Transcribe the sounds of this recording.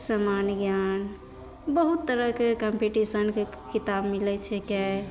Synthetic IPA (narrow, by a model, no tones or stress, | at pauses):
səmanɡjan | bəɦut̪ːəɾəkekəmpiʈisənke | kit̪abmilɛt͡ʃʰɛkɛ